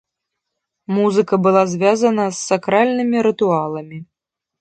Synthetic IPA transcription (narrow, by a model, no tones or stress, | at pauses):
muzɨkɐbɨlˠazʲvʲazɐnɐsːakɾalʲnɨmʲiɾɨt̪ualˠɐmʲi